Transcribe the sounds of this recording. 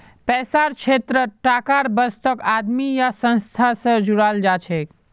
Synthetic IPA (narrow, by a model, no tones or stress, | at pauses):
pɛsaɾt͡ʃʰet̪ɾəʈakaɾbəst̪əkad̪mijasə̃nst̪ʰasə̃d͡ʒuɾald͡ʒat͡ʃʰɛk